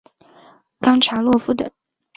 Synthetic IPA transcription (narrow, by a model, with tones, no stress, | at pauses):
kɑ˥ŋʈ͡ʂʰa˧˥lwɔ˥˧fu˥˩t̪ə̰˨˩˦ŋ